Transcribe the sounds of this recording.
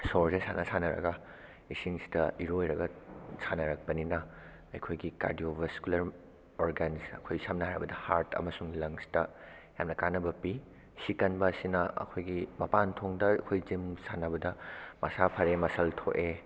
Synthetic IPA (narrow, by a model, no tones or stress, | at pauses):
soɾzesanɐsanɐɾɐ̰ɡɐ | isiŋsi̥dɐiɾojɾɐɡɐsʰanɐɾɐk̚pɐninɐ | ɐ̰jkʰojɡika̰ɾdiobɐskulɐɾ | oɾɡansɐ̰kʰojsamnɐɦaɾɐbɐdɐhaɾtɐ̰mɐsuŋilɐŋsi̥tɐ | jamnɐkanɐbɐpi | sikɐnbɐːsinɐɐ̰kʰojɡimɐpantʰoŋdɐɐ̰kʰojzimsanɐbɐdɐmɐsapʰɐɾemɐsɐltʰoʔe